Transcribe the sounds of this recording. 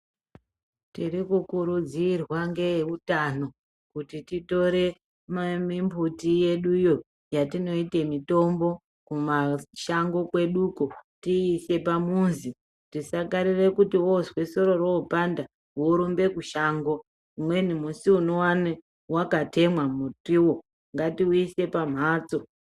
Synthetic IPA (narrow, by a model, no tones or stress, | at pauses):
tirikukuɾud͡zirwaŋɡe̞utano̞ | kutitito̞ɾe̞ | mamimbʱutije̞ɗujo̞ | jatino̞ite̞mito̞mbo̞ | kumaʃaŋɡo̞kwe̞ɗukotiːse̞pamunzi | tisakaɾire̞kutiwozweso̞ɾo̞roupanda | woɾumbe̞kuʃaŋɡo̞ | umwe̞nimusiunowane | wakate̞mwamutiwo̞ | ŋɡatiwiise̞pam̤aːt͡so̞